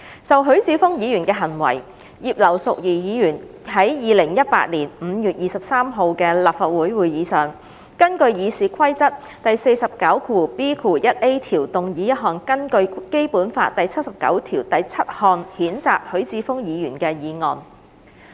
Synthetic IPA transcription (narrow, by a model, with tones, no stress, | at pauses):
t͡sɐ˨wɦɵ˨˥ɥt͡siː˧fʊ˥ŋjiː˨˧jyː˨˩nkɛː˧ɦɐ˨˩nwɐ̰˨˩j | jiː˨p̚lɐ˨˩wsʊ˨k̚jiː˨˩jiː˨˧jyː˨˩n | ɦɐ˨˥jjiː˨˧lɪ˨˩ŋjɐ˥t̚pa̰ː˧t̚liː˨˩nm̩ː˨˧jyː˨˩t̚jiː˨sɐ˨p̚saː˥mɦo˨˧wkɛː˧laː˨˩p̚faː˨t̚wuː˨˥jwuː˨˧jjiː˨˧sœː˨ŋ | kɐ˥nkɵ˧ɥjiː˨˧siː˨kʷʰwɐ˥jt͡sɐ˥t̚ | t̪ɐ˨jse˧jsɐ˨p̚kɐ˨˥wkʰuː˨˩piː˥kʰuː˨˩jɐ˥t̚ʔe˥jt̪ʰiː˨˩wt̪ʊ˨ŋjiː˨˥jɐ˥t̚ɦɔː˨˩ŋkɐ˥nkɵ˧ɥke˥jpuː˨˥nfaː˧t̚t̪ːɐ˨jt͡sʰɐ˥t̚sɐ˨p̚kɐ̰˨˥wt̪ʰiː˨˩wt̪ɐ˨jt͡sʰɐ˥t̚hɔː˨˧ŋhiː˨˥nt͡saː˨k̚hɵ˨˥ɥt͡siː˧fʊ˥ŋjiː˨˧jyː˨˩nkɛː˧jiː˨˧ŋɔ̰ː˨˩n